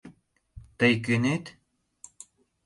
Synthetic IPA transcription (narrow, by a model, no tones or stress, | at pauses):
t̪əjkynet̪